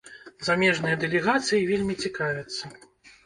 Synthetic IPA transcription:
zamʲɛʐnɨjɐd̪ɛlʲɛɣat̪sɨjivʲelʲmʲit͡sʲikavʲɛt̪sːɐ

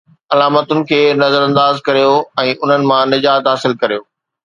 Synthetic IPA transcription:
ɐlaːmət̪ʊnɪ̆kʰeːnɐzəɾɐ̃nd̪aːzkɐɾijoɛ̃ːʔʊn̤ənɪ̆mãnɪd͡ʑaːt̪ɦaːsɪlkɐɾijoː

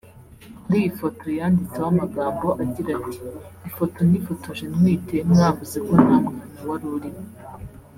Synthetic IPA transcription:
ndijifo̞to̞jaːndit͡sewamaɡaːmbo̞ʔaɟiɾati̥ːfo̞to̞nifo̞tʰoʒenŋwiːtemŋaːvuze̞kon̥haːmɡenuwaɾuɾimo

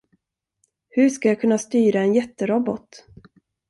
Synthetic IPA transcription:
hɵʂkajakʰɵnːast̪yːɾaɛnjɛt̪ːəɾɔbɔt̪

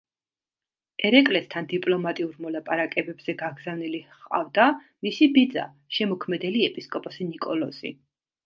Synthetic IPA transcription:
ɛɾɛkʼlɛst̪ʰand̪ipʼlɔmat̪ʼiuɾmɔlapʼaɾakʼɛbɛbz̥ɛɡaɡz̥avniliχqʼa̰vd̪a | misibid̪za̰ | ʃɛmɔkʰmɛd̪ɛliɛpʼiskʼɔpʼɔsinikʼɔlɔsḭ

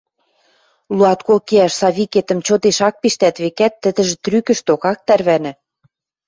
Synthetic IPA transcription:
luɑt̪kolkeæʃsɑβʲiket̪ə̆mt͡ɕot̪eʃɑk̚piʃt̪æt̪βekæt̪ːə̆d̪ə̆ʒĕt̪rykə̆ʃt̪okɑk̚t̪ærβænɘ̆

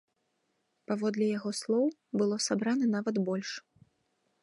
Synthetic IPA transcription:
pavɔd̪lʲijaɣɔslˠɔw | bɨlˠɔsabɾanɐnavɐd̪bɔlʲʂ

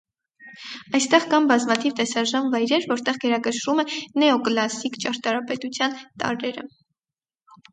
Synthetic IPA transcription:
ɑjst̪ɛʁkɑnbɑzmɑt̪ʰivt̪ɛsɑʒɑnvɑjɾɛɾvɔɾt̪ɛʁɡɛɾɑkəʃɾumɛnɛɔklɑsikt͡ʃɑɾt̪ɑɾɑpɛt̪ut͡sʰjɑnt̪ɑ̰ɾɛɾə̰

